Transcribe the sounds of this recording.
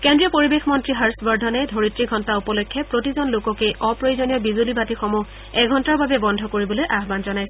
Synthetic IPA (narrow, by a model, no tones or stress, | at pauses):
kendɹiɔpoɹibexmɔntɹiɦaɹsbɔɹdʱɔnɛdʱoɹitɹiɡʱɔntaupɔlojkʰːɛpɹotizɔnlokɔkejʔɔpɹojzonijɔbizulibatixɔmu | ɛɡʱɔntaɹbabɛbɔndʱɔkoɹibɔlojʔaɦbanzɔnajs